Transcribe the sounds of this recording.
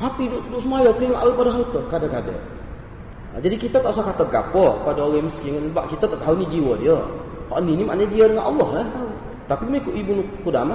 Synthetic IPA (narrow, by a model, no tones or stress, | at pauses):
hat̪idʊʔdʊʔsəmajat̪ujaŋaʔawapadaɦaut̪əhkadakada̰ | d͡ʒadikit̪at̪aʔsakat̪əɡa̰pɔpadaoɣaməskɪŋnba̰ʔkit̪at̪aʔt̪ɦaunid͡ʒiwədiəhɔ̰ʔninima̰ʔnaɲadiədəŋanʔɑlːɔhlat̪au | t̪apimekuʔibunukudama